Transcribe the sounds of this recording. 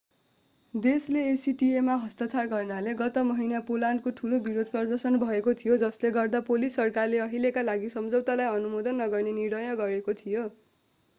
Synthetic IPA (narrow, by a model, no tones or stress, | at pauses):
d̪esleesiʈiemaɦʌst̪at͡sʰarɡʌrnaleɡʌt̪ʌmʌɦinjapolankoʈʰulobiɾod̪ʱpʌrd̪ʌrsʌnbʱʌekot̪ʰijod͡zʌsleɡʌrd̪apolisːʌrkarleʌɦilekalaɡisʌmd͡zʌwt̪alajʌnumod̪ʌnːʌɡʌrneniɽ̃ʌjʌɡʌɾekot̪ʰijo